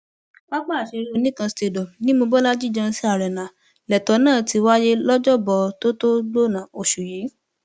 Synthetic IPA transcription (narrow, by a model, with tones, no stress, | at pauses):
k͡pa˦k͡pa˦˨ʃe˧ɾi˦o˧nĩ˦˨kã˧ste˧˨dɔ˨nĩ˦mo˧bɔ˦la˦d͡ʒi˦˨d͡ʒã˧si˦a˦˨ɾɛ˨nã˨ | lɛ˨tɔ˨˦nãː˦˨ti˧wa˦je˦lɔ˦d͡ʒɔ˦bɔ˧to˦to˦lo˦˨nã˨˦o˧ʃu˨je˨˦